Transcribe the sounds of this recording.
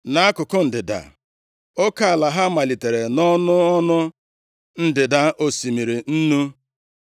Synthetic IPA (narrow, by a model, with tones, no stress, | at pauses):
na˨˦a˦kʊ˨kʊ˦n̩˨dɪ˨da̰˨ | o˦ka˦a˨la˨ɦa˦ma˨li˨te˨ɾe˨nɔ˦nʊ˦ɔ˦nʊ˦ | n̩˦dɪ˨da˦ʔo˨si˨mi˨ɾi˨n̩˦nu˦